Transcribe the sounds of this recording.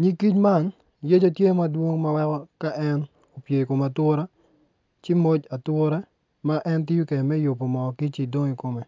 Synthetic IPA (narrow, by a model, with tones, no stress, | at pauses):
ɲi˦ki˦t͡ʃma˦˨n | je˦d͡ʒo˦tje˦ma˦dwo˦ŋma˦wɛ˦kɔ˦ka˦ʔɛ˦n | o˨pje˨i˨ko˨ma˨tʊ˦ɾa˦ | t͡ʃɪ˦mo˦d͡ʒa˨twʊ˦ɾa˦ | ma˦ʔɛ˦nti˦u˦ke˨mɛ˦jo˨pːo˨mɔ˨ki˦t͡ʃi˨do˦ŋi˨ko˨me˨